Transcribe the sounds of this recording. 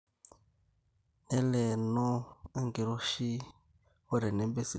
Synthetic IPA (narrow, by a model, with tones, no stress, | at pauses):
ɛ˦lɛ˨nɔ˦e˦ŋɡi˨ɾo˦ʃi˦ | o˦ɾɛ˨nɛ˦mbe˦si˨